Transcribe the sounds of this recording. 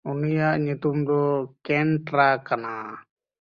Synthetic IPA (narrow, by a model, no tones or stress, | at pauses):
unijaʔɲut̪umd̪ɔkɛnʈɾakana